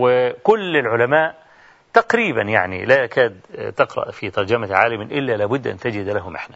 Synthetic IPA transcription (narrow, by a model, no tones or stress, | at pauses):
wɪkʊlːɪlʕʊlamaːʔ | t̪aqɾiːba̰njaʕnḭlaʔakaːd̪t̪ɪqɾˤɑ̰ʔfit̪ɑɾˤd͡ʒamaʕaːlɪmʔɪlːalaːbʊd̪ːʔa̰nt̪ɪd͡ʒɪd̪laɦʊmʔɪ̰ħna